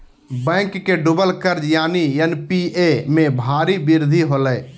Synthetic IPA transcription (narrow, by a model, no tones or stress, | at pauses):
bɛ̃ːkːeɖʊbəlkəɾd͡ʒjaːniɛnpiemẽbʱaːɾibɪɾd̪ʱiɦoːləː